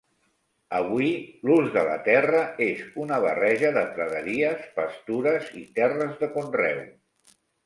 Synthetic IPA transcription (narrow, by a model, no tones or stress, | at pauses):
əβwiluzðələ̰t̪ɛrəezunəβərɛʒəðət̪ɾəðəɾiəspəst̪uɾəzit̪ɛrəzðəkonrɛw